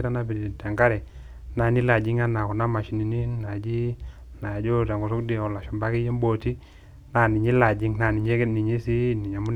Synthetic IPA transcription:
ɾa˦na˦bi˨ta˨ŋɡa˦ɾɛ˨ | na˨ni˦la˨d͡ʒi˦ŋa˦na˨kɔ˨na˦ma˨ʃi˨ni˨ni˦na˨d͡ʒi˦ | na˨d͡ʒo˦ta˨ŋɡo˨so˦kdi˦˨ɔ˨la˨ʃɔ˨ba˦ki˦je˦m˦bo˨ti˦ | na˨ni˨ɲi˦la˨d͡ʒi˦ŋna˨ni˨ɲe˦ni˨ɲi˦si˦ni˨ɲa˨mu˦n˦

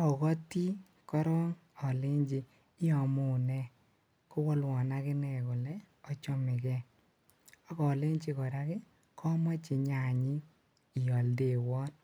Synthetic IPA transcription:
ɔ˨kɔ˦ti˦ | kɔ˦ɾɔ˦ŋ | ɔ˨le˦ɲd͡ʒɪ˨ | ɪ˦ɔ˨mʊ˨nɛ˦ | kʊ˦wɔ˦lwɔ˨na˦kɪ˦nɛ˨kʊ˨lɛ˦ɔ˦t͡ʃɔ˦mɪ˨kɛ˦ | ɔ˦kɔ˨le˦ɲt͡ʃɪ˦kɔ˨ɾa˦kɪ˦ | kʰɔ˦mɔ˦t͡ʃɪ˨ɲa˨ɲɪ˦ | ɪ˨jɔ˨lde˨wɔ˦t

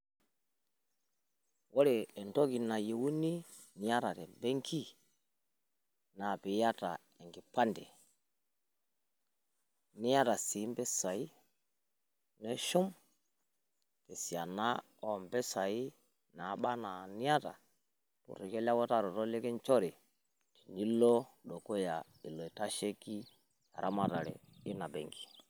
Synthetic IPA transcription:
wo˦ɾe˨e˨nto˦ki˨na˨je˨wu˦ni˦ | ni˨ja˦ɾa˨te˨mbe˦ŋkʰi˦ | na˨pi˨ja˦ta̰˨ | e˨ŋɡi˨pa˦ndḛ˨ | ni˦ja˦ta˨si˨˦mbe˦sa˨i˦ | ne˦ʃu˦m | ke˨si˨a˨na˦ | o˨mbɛ˦sa˨i˦ | na˨˦ɓa˦na˨ni˦ja˦ta̰˨ | pṵ˨ɾi˨ke˦la˦ko˦ta˦ɾo˨to˦le˦kɛ˦nt͡ʃo˦ɾi˨ | ti̥˨ɲi˦lːo˦ɗo˨ko˦ja˨ | i˨lːo˨i˨ta˦ʃe˦ki˦ | ja˨ɾʔa˦ma˦˨ta˨ɾɛ̰˨i˦na˨bḛ˨ŋɡi̥˨

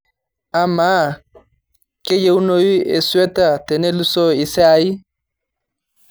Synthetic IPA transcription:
a˨maː˦ | ke˦je˦u˦no˦wi˦e˨swɛ˦ta˦˨te˨ne˦lu˦so˦i˨sa˦i˦

